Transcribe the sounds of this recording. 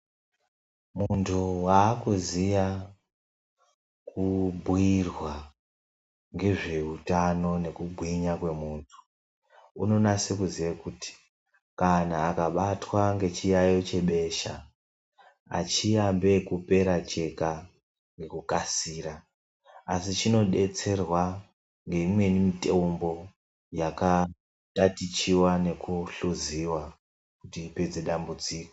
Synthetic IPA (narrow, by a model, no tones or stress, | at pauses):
muntʰuwaːkuzija | kubʱwirwa | ŋɡe̞ʐe̞utano̞ne̞kubʱwiɲakwe̞muːntʰu̥ | uno̞nasekuzijekuti̥ | kanaːkaɓatwaŋɡe̞t͡ʃijajo̞t͡ʃe̞ɓe̞ʃa̰ | a̰t͡ʃijambe̞kupe̞ɾat͡ʃe̞ka | ŋɡe̞kukasiːra | asit͡ʃino̞ɗe̞t͡se̞rwa | ŋɡe̞imwe̞nimite̞umbo̞ | jaka | tatit͡ʃiwane̞kuɬuziwa | kutiːpe̞d͡ze̞ɗambud͡ziːko̥